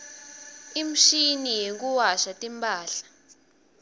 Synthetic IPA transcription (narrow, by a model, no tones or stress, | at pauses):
im̩ʃinijek̬ʼuwaʃatʼimpʼaːɬḁ